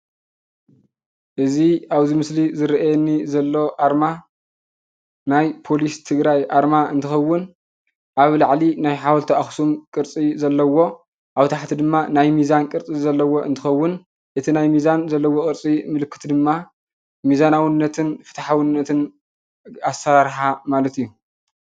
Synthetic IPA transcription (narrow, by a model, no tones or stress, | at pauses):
ʔɨziaβzimɨslizɨɾʔajɛnːizɐlːo̞ʔaɾma | najpʰo̞list̪ʰɨɡɾajʔaɾmaɨnt̪ʰɨxɐwːʊn | ʔaβlaʕlinajħawɐlt̪ʰɐaxsumkʼɨɾt͡sʼizɐlːɐwo̞ | ʔawt̪ʰaħt̪ʰid̪ɨmːanajmizankʼɨɾt͡sʼizɐlːɐwo̞ʔɨ̰nt̪ʰɨxɐwːʊn | ʔɨt̪ʰinajmizanzɐlːɐwo̞kʼɨɾt͡sʼimɨlɨkʰːɨ̥t̪d̪ɨmːa | mizanawɨnːɐt̪ʰɨnfɨ̥t̪ʰaħawɨnːɐt̪ʰɨn | asɐɾaɾħamalɐt̪ijːu